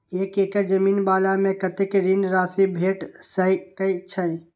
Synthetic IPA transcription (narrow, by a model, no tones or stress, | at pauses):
eːkeːkəɾd͡ʒɐmiːnbaːlamẽkɐt̪ɪkɾinɾaːsibʱeːʈsəikɐit͡ʃʰə̃